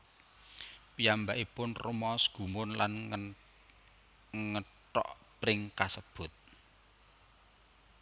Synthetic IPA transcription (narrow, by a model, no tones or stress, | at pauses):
pijambaʔipʊnrumɔsɡ̥ṳmʊnlan | ŋə | ʈɔ̰ʔ | pɾɪŋkasəb̥ʊ̤t̪̚